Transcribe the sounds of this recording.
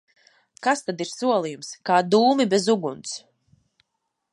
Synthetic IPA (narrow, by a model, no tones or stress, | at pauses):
kast̪ad̪iɾsuɔlˠijumskaːd̪uːmibɛzuɡunt̪s